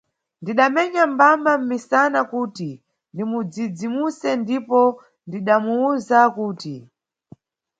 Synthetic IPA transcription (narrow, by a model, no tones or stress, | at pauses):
ndiɗamɛɲambamam̩misanakuːti | ndimud͡zid͡zimusɛndipɔ | ndiɗamuuzakuːti